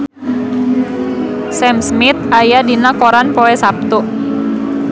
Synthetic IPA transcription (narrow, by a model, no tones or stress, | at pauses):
sɛmsmɪt̪̚ajadinakoɾanpoɛsap̚t̪u